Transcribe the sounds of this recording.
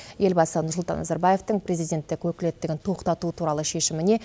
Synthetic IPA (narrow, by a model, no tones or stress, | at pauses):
je̞lbɑsənʊɾsʊlˠt̪ɑ̰nːɑ̰zɑɾbaje̞ft̪əɴpre̞zijd̪ʲe̞nt̪ːɪkwɵkʲɪle̞t̪ːɪɡʲɪnt̪ʰo̞qt̪ɑt̪uət̪ʰuɾɑlˠəʃe̞ʃɪmɪne̞